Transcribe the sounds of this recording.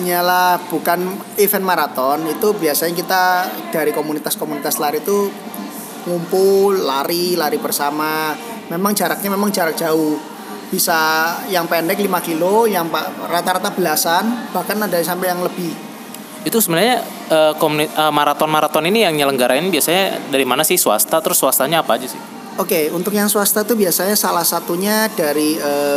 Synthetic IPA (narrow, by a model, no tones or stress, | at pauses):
ɲalahb̥ukan | ifɛnmaɾat̪ɔnit̪ubiasaɲakit̪ad̥aɾikomunit̪askomunit̪aslaɾit̪u | ŋumpʊlːaɾilaɾibərsama | memaŋd͡ʒaɾak̚ɲamemaŋd͡ʒaɾak̚d͡ʒ̥auh | b̥isajaŋpɛndɛklimakilojaŋparat̪aɾat̪ab̥əlasanb̥ahkanadais̬ampɛjaŋləbɪh | it̪usəbənarɲa | əːkomuniəmaɾat̪ɔnmaɾat̪ɔninijaŋɲələŋɡaɾaɪnbiasaɲadaɾimanasɪhsua̰st̪at̪əɾʊsːuwast̪aɲaːpad͡ʒasɪ̰h | okeunt̪ʊkjaŋsuast̪ait̪ubiasaɲasalahsat̪uɲadaɾiəː